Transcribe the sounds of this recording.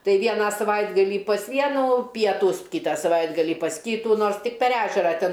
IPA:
ˈtɐɪ ˈʋʲiɛnɑː sɐˈʋɐɪdɡɐlʲiː pɐs ˈʋʲiɛnuː ˈpʲiɛtuːs ˈkʲiːtɑː sɐˈʋɐɪdɡɐlʲiː pɐs ˈkʲiːtuː ˈnoːrs tʲɪk pʲɛr ˈæːʒʲɛrɐ ˈtʲɛn

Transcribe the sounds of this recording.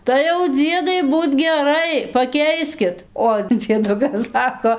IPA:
tɐɪ jɛʊ ˈd͡zʲiɛdɐɪ ˈbuːt ɡʲɛˈrɐɪ pɐˈkʲɛɪsʲkʲɪt oː d͡zʲiɛˈdʊkɐs ˈsɑːkoː

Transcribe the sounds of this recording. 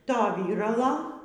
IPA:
ˈtoː ˈʋʲiːrɐlˠoː

